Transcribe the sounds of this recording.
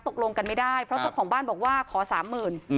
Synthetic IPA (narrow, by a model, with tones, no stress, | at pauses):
t̪o˨˩k̚lo˧ŋka˧nma˥˩jdaː˥˩jpʰɾɔ˦t͡ɕa˥˩wkʰɔː˩˦ŋbaː˥˩nbɔː˨˩k̚waː˥˩kʰɔː˩˦saː˩˦mːɯː˨˩n